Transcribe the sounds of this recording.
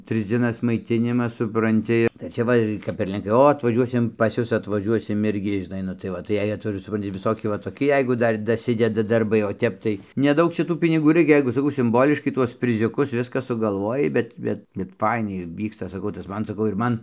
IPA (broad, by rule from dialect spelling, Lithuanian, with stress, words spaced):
ˈtrɨs d͡zʲiɛˈnɐs mɐɪˈtʲɪnʲɪmɐs sʊprɐnʲˈtʲɪ tɐɪ ɪr ˈt͡ʃʲɛ ˈʋɐ kɐp ɪr lʲɛŋˈkɐɪ ˈoː ɐtʋɐˈʒʲuɔsʲɪm pɐs ˈjʊs ɐtʋɐˈʒʲuɔsʲɪm ˈɪrʲɡʲɪ ʒʲɪˈnɐɪ nʊ tɐɪ ˈʋɐ tɐɪ ˈjɛɪ ɐtʋɐˈʒuɔs sʊˈprɐnʲtʲɪ ʋʲɪˈsoːkʲɪ ʋɐ toːˈkʲɪ ˈjɛɪɡʊ ˈdɐr dɐˈsʲɪdʲɛdɐ dɐrˈbɐɪ oː ˈtʲɛp tɐɪ nʲɛˈdɐʊk ˈt͡ʃʲɛ ˈtuː pʲɪnʲɪˈɡuː ˈrɐɪkʲɛ ˈjɛɪɡʊ sɐˈkɐʊ sʲɪmˈboːlʲɪʃkɐɪ ˈtuɔs pʲrʲɪzʲʊˈkʊs ˈʋʲɪskɐ sʊɡɐlˠˈʋoːjɛɪ ˈbʲɛt ˈbʲɛt bʲɛt ˈfɐɪnʲɛɪ ˈʋʲiːkstɐ sɐˈkɐʊ tɐs ˈmɐn sɐˈkɐʊ ɪr ˈmɐn